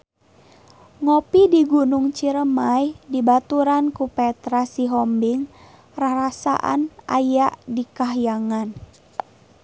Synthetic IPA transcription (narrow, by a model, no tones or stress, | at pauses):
ŋɔpidiɡunuŋt͡ʃiɾəmajdibat̪uɾankupɛt̪ɾasiɦɔmbiŋ | raɾasa̰ʔa̰na̰jaʔdikaɦjaŋan